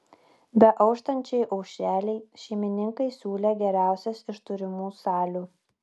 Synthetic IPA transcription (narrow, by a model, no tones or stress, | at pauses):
bʲɛʔɒʊʃt̪ɐnʲt͡ʃʲɛɪʔɒʊkʃʲæːlʲɛɪʃʲɛɪmʲɪnʲɪŋkɐɪsʲuːlʲɛɡʲɛɾʲæˑʊsʲɛsɪʃt̪ʊɾʲɪmuːsɑːlʲuː